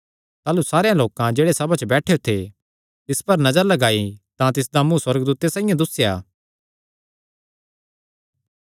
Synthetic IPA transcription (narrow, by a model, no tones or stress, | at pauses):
t̪aːlusaːɾejãloːkãd͡ʒeːɽesɐbat͡ʃəbɛːʈʰejot̪ʰe | t̪ɪspɐɾnɐzəɾlɐɡaːit̪ãt̪ɪsd̪amũswɐɾɡd̪uːt̪esãːĩjãd̪ʊsːɪjaː